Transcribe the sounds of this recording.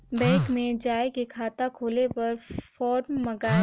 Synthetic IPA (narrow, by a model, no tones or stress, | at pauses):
bɛ̃ːkmẽd͡ʒaːekekʰaːt̪akʰoːlepɐɾfɔːɾmːɐɡaː